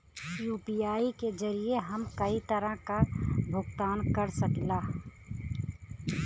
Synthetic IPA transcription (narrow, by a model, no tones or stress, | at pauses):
juːpijaːiked͡ʒɐɾieɦɐmkɐit̪əɾãkabʱʊɡt̪aːnkɐɾsɐklaː